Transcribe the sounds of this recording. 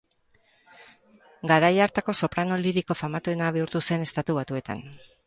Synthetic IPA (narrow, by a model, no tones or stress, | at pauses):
ɡaɾajaɾt̪ako̞so̞pɾano̞liɾiko̞famat̪uenaβiuɾt̪use̞ne̞st̪at̪uβat̪ue̞t̪a̰n